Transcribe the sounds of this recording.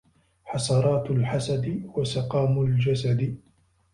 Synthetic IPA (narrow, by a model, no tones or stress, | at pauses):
ħɑsˤɑɾˤɑːt̪lħasad̪ɪwasɪqɑːmʊld͡ʒasad̪ɪ